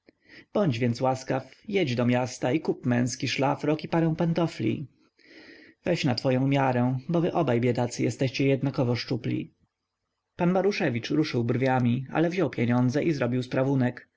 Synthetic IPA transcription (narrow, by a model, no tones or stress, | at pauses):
b̥ɔɲd͡ʑvʲjɛnt̪swaskafjɛd͡ʑd̪ɔmʲjast̪aikupmɛ̃w̃skʲiʂlafɾɔkipaɾɛ̃w̃pɛnt̪ɔflʲḭ | vɛɕnat̪fɔjɔ̃w̃mʲjaɾɛbɔvɘʔɔbajbʲjɛd̪at̪sɘjɛst̪ɛɕt͡ɕɛjɛd̪nakɔvɔʂt͡ʂuplʲḭ | panmaɾuʂɛvʲit͡ʂɾuʂɘwbɾvʲjamʲia̰lɛvʑɔwpʲjeɲɔnd̪zɛʔizɾɔbʲiwspɾavunɛk